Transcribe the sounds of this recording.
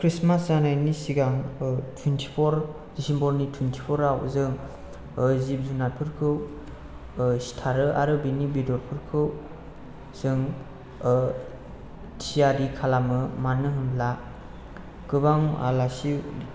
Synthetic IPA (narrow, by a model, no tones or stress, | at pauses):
kʰɾismasanajnisiɡaŋtʰwintʰipʰɔɾ | disimbʰɔɾnitʰwintʰi̥pʰɔɾawzɯŋ | zip̚zunapʰɯɾkʰɯw | stʰaɾɯʔaɾɯbinibidɔɾpʰɯɾkʰɯw | z̥ɯŋ | tʰijaɾikʰalamɯmanɯɦɯmla | kɯbaŋa̰lasi